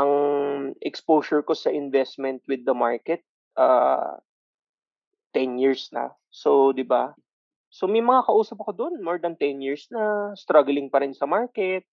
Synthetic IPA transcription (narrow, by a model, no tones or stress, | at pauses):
ʔɐŋʔɛkspoːsʊɹko̞sɐʔɪnvɛst̪̚mɛnt̪̚wɪd̪ːɐma̰ɹkɛt̪̚ | ʔa̰ː | t̪ːɛnjiɹsnɐ̰ | sod̪ɪba | somɐjmɐŋakɐʔuːsɐp̚ɐko̞d̪onmoɹd̪ɐnt̪ɛnjiɹsnɐst̪ɾaɡlɪŋpɐɾɪnsɐmaɹkɛt̪̚